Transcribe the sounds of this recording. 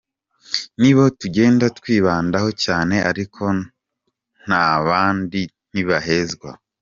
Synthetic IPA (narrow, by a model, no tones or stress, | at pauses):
niβo̞tuɟe̞ːndatkwiːβaːndaho̞caːne̞ʔaɾikʰo̞ | n̥aβaːndin̥iβaɦe̞zɡwa̰